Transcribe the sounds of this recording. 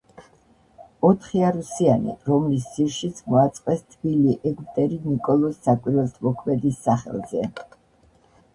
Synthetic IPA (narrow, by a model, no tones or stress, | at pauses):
ɔt̪ʰχiaɾusianḭɾɔmlisz̥iɾʃit̪sʰmɔat̪sʼqʼwɛst̪ʰbiliʔɛɡt̪ʼɛɾinikʼɔlˠɔsːakʼwiɾɛt̪ʰmɔkʰmɛd̪isːaχɛ̰lˠzɛ